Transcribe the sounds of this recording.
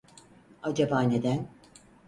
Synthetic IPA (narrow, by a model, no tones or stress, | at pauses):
ad͡ʒabaːne̞d̪æn